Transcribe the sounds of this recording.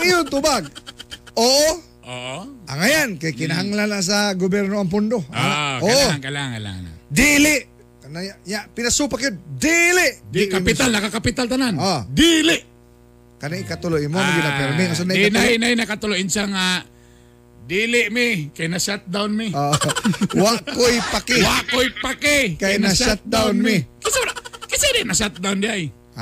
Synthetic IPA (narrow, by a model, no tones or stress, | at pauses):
ɪjʊnt̪ʊbaɡ̚ | oːʔo | ʔoʔoʔa̰ŋajankajkɪnaɦaŋlanlas̬aɡobɛɾnoaŋp̬ʊnd̪oaoʔaoaŋkalaŋa̰la̰na̰d̪ilɪʔ | knajajaʔpɪnasupakjʊd̪̚d̪ilɪʔdkapɪt̪alnakakapɪt̪alt̪ananod̪ilɪʔ | kɐnɪkat̪ʊlʊʔɪnmonɡɪnapɛɾmɪas̬anaɪnajnajnakat̪ʊlʊʔɪnsaŋa | d̪iːlɪʔmɪkajnaʃat̪̚d̪awnmɪo | wakojpakɪwaʔkojpakɪkajnaʃat̪̚d̪awnmɪkɪsɾakɪsɪɾɪnaʃat̪̚d̪awnd̪ɪaj